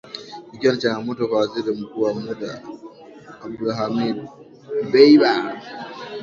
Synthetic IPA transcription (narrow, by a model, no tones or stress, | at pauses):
bikʲɔnt͡ʃanamutokazidamukuwamuda̰ | ab̚dulɦamid | bɛjba